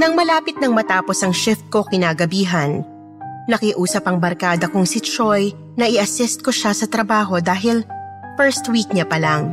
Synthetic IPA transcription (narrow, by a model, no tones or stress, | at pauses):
nɐŋmɐlaːpɪt̪̚nɐŋmɐt̪aːpo̞sɐŋʃɪft̪̚ko̞kɪnaːɡɐbiːɦɐnː | ɐkɪʔuːsɐpɐŋbɐɾkaːd̪ɐkʊŋsɪt͡ʃoj | nɐʔɪʔɐsɪst̪̚ko̞ʃasɐt̪ɾɐbaːɦo̞d̪aːɦɪlfɛɹst̪wiːk̚ɲɐpɐlaŋ